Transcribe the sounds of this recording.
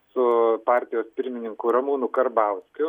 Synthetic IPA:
sʊpɑːɾʲt̪ʲɪjoːspʲɪɾʲmʲɪnʲɪŋkʊɾɐmuːnʊkɐɾbɐʊskʲʊ

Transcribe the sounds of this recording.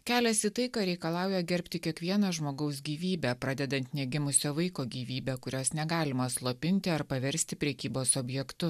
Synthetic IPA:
kʲæːlʲɛsʲit̪ɐɪkɑːɾʲɛɪkɐlˠɑˑʊjɛɡʲɛɾʲpʲt̪ʲɪkʲiɛkʋʲiɛnɐʒmoːɡɐʊs̬ɡʲiːʋʲiːbʲæpɾɑːd̪ʲɛd̪ɐnʲt̪nʲɛɡʲɪmʊsʲoːʋɐɪkoːɡʲiːʋʲiːbʲɛːkʊɾʲoːsnʲɛɡɑːlʲɪmɐslˠoːpʲɪnʲt̪ʲɪɐɾpɐʋʲɛɾʲsʲt̪ʲɪpʲɾʲɛkʲiːboːsɔːbʲjɛkt̪ʊ

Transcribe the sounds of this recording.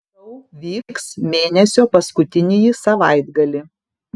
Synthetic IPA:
ɐʊʋʲiːksmʲeːnʲɛsʲoːpɐskʊt̪ʲɪnʲejisɐʋɑɪd̪ɡɐlʲɪ

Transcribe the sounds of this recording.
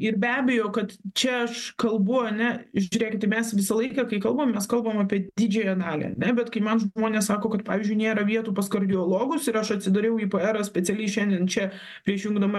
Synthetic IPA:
ɪrbʲæːbʲɛjoːkɐt̪t͡ʃʲɛɐʃkɐlˠbʊɐnʲɛʒʲʊɾʲeːkʲɪt̪t̪ɐɪmʲɛsʋʲɪsɐlˠɐɪkɐkɐɪkɐlˠbɐmʲɛskɐlˠbɐmɑːpʲiɛd̪ʲɪd͡ʒʲɛjɐnɑːlʲḭɐ̰nʲɛbʲɛt̪kɐɪmɐnʒmoːnʲeːssɑːkoːkɐt̪pɑːʋʲiːzʲd͡ʒʲʊɪnʲeːɾɐʋʲiɛt̪uːpɐskɐrʲd̪ʲɪoːlˠoːɡʊsɪɾɐʃɐtʲsʲɪd̪ɐɾʲɛʊiːpoɛɾɐsʲpʲɛt͡s̪ʲɛlʲɛɪʃʲɛnʲd̪ʲiɛnt͡ʃʲɛ | pʲɾʲiɛʃjʊŋɡd̪ɐmɐ

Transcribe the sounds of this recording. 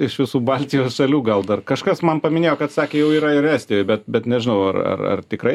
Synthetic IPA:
ɪʃʋʲɪsuːbɐlʲt̪ʲɪjoːsʃɐlʲuːɡɐlˠd̪ɐrkɐʃkɐsmɐnpɐmʲɪnʲeːjoːkɐt̪sɑːkʲeːjɛʊiːɾɐɪɾæːsʲt̪ʲɪjoːjbʲɛt̪bʲɛt̪nʲɛʒʲɪnɐʊɐrɐ̰rɐ̰rt̪ʲɪkɾɐɪ

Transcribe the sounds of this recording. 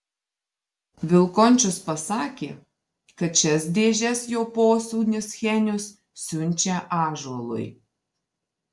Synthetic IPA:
ʋʲɪlˠkɔnʲt͡ʃʲʊspɐsɑːkʲeː | kɐt̪ʃʲɛs̬d̪ʲeːʒʲɛsjoːpoːsuːnʲɪsxʲɛnʲʊs | sʲʊnʲt͡ʃʲɛʔɑːʒuɔlˠʊ̰j

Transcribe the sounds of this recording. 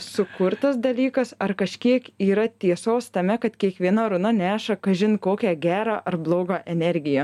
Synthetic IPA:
sʊkʊɾt̪ɐsd̪ɐlʲiːkɐsɐɾkɐʃʲkʲiɛkiːɾɐt̪ʲiɛsoːst̪ɐmʲɛkɐt̪kʲiɛkʋʲiɛnɐɾʊnɐnʲæːʃɐkɐʒʲɪnkoːkʲæːɡʲæːɾɑːʔɐɾblˠoːɡɑːʔɛnʲɛɾʲɡʲɪjɛ

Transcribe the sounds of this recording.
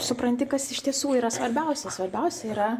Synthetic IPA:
sʊpɾɐnʲt̪ʲɪkɐsɪʃt̪ʲiɛsuːiːɾɐsʋɐɾʲbʲɛʊsʲɛsʋɐɾʲbʲɛʊsʲɛiːɾɐ

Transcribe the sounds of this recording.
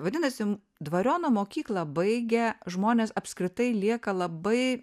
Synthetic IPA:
ʋɐd̪ʲɪnɐsʲɪ | d̪ʋɐɾʲoːnomoːkʲiːklˠɐbɐɪɡʲɛʒmoːnʲeːsɐpskɾʲɪt̪ɐɪlʲiɛkɐlˠɐbɐɪ

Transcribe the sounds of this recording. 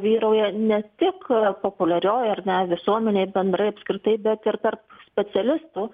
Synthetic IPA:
ʋʲiːɾɐʊjɛnʲɛt̪ʲɪkpoːpʊlʲɛɾʲoːjɐrnʲɛʋʲɪsuɔmʲɛnʲeːbʲɛnd̪ɾɐɪɐpʲskɾʲɪt̪ɐɪbʲɛt̪ɪɾt̪ɐrpsʲpʲɛt͡s̪ʲɛlʲɪst̪uː

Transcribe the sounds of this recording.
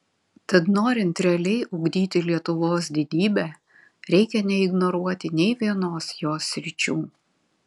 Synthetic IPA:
t̪ɐt̪noːɾʲɪnt̪ɾʲɛɐlʲɛɪʔʊɡd̪ʲiːt̪ʲɪlʲiɛt̪ʊʋoːsd̪ʲɪd̪ʲiːbʲæː | ɾʲɛɪkʲɛnʲɛɪɡnɔɾuɔt̪ʲɪnʲɛɪʋʲiɛnoːsjoːsʲɾʲɪt͡ʃʲuː

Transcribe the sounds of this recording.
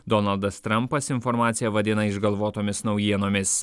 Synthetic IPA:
d̪ɔnɐlˠd̪ɐst̪ɾɐmpɐsɪnfɔɾmɑːt̪sʲɪjɛʋɐd̪ʲɪnɐɪʒɡɐlˠʋoːt̪oːmʲɪsnɒʊjiɛnoːmʲɪs

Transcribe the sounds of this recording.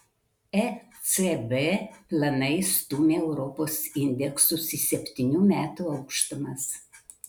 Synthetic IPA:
ɛ | sɛbepʲlˠɐnɐɪst̪uːmʲeːɛʊɾɔpoːsɪnʲd̪ʲɛksʊsisʲɛpʲt̪ʲɪnʲuːmʲæːt̪uːɒʊkʃt̪ɐmɐs

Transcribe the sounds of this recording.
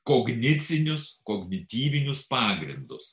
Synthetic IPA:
koːɡnʲɪt̪sʲɪnʲʊskoːɡnʲɪt̪ʲiːʋʲɪnʲʊspɑːɡɾʲɪnd̪ʊs

